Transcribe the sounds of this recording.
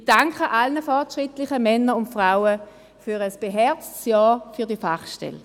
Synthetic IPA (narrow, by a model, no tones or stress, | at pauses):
d̥aŋkχəʔalnəfɔɐtʃʁɪtlɪχəmɛnːəɾʊntfʁaʊə | fyʁəsb̥eɦɛɐt͡stsjɔːfyɐdiəfaχʃtɛ̰l